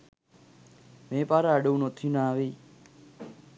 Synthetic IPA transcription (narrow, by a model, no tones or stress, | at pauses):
mẽːpaːɾaːəɗəũnot̪ʰinaːʋiː